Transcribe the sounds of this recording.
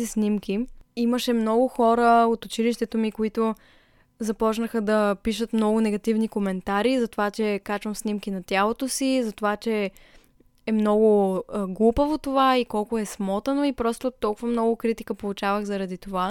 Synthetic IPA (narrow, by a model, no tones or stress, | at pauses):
isnimkʲiiməʃɛmnɔɡʊxɔɾəot̪ʊt͡ʃiliʃt̪ɛt̪omikoit̪o | zɐpɔt͡ʃnəxəd̪ɐpiʃət̪mnɔɡʊnɛɡɐt̪ivnikomɛnt̪aɾizɐt̪ovat͡ʃɛkat͡ʃvəmsnimkinɐt̪ʲjalˠot̪osizɐt̪ovat͡ʃɛ | ɛmnɔɡʊɡlˠupəvot̪ovaikɔlˠkʊɛsmɔt̪ɐnoipɾɔst̪ot̪ɔlˠkʊvɐmnɔɡʊkɾit̪i̥kəpolˠut͡ʃavəxzɐɾɐd̪it̪ova